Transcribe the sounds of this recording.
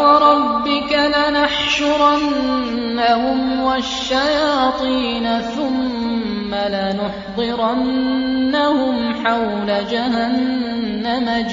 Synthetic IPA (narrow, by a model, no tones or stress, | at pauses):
wɑɾˤɑbːɪkalanaħʃʊɾɑnː | ahʊmwaʃːajɑːt̪ˤiːnaθʊmː | alanʊħd̪ˤɨɾanːahʊmħawlad͡ʒaɦanː | ama